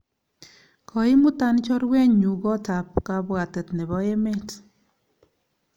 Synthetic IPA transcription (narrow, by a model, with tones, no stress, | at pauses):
kʰɔ˨i˦mu˦ta˦nt͡ʃɔ˦ɾwɛ˦ɲu˨ɡɔ˦ta˨p̚ka˧bwa˨te˨tnɛ˨βɔ˦e˦me˦t